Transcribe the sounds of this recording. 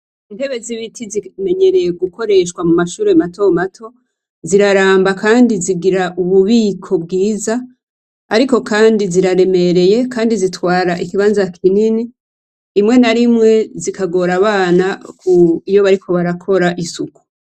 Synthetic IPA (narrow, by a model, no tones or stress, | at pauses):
inde̞βe̞ziβitʰizime̞ɲe̞ɾe̞jeɡuko̞ɾe̞ʃkwamumaʃuːɾemato̞matʰo̞ | ziɾaɾaːmbakaːndiziɡiɾaʔuβuβiːkʰo̞bɡiːza | a̰ɾiko̞kaːndiziɾaɾe̞me̞ɾe̞je̞kʰaːndizitwaːɾaʔikiβaːnzakʰininiː | mŋe̞naɾimŋe̞zikaɡo̞ːɾaβaːnakuijo̞βaɾikʰo̞βaɾakʰo̞ɾaʔisuku̥